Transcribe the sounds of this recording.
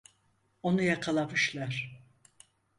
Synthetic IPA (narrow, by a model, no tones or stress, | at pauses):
o̞nujakʰalˠamɯʃlˠaɾ̥